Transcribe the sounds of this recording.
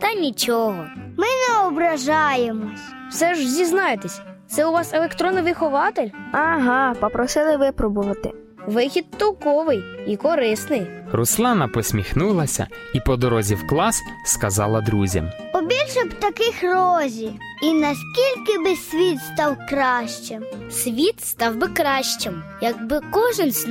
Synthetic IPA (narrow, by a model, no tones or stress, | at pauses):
t̪ɐnʲit͡ʃɔɦɔmɪnɛɔbɾɐʒɑjemɔsʲ | wsɛʒzʲiznɑjet̪esʲt̪sɛʊʋɑselekt̪ɾɔnɪʋɪxɔʋɑt̪ɪlʲɐɦɑpɔpɾɔsɪlˠɪʋɪpɾɔbʊʋɐt̪ɪ̰ | ʋɪxʲid̪̚t̪ɔwkɔʋɪjikɔɾɪsnɪjruslˠɑnɐpɔsʲmʲixnulˠɐsʲɐ̰ipɔd̪ɔɾɔzʲiwklˠɑs | skɐzɑlˠɐd̪ɾuzʲɐ̰m | pɔbʲilʲʃɛbt̪ɐkɪxrɔzʲi | inɐsʲkʲilʲkɪbɪsʲʋʲit̪st̪ɑwkɾɑʃt͡ʃemsʲʋʲit̪st̪ɑwbɪkɾɑʃt͡ʃɪmjɐɡ̚bɪkɔʒɪnsʲ